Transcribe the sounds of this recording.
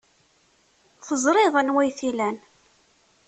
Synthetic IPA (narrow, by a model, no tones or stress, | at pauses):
θəzˤɾˤɪðˤænwæjθilæn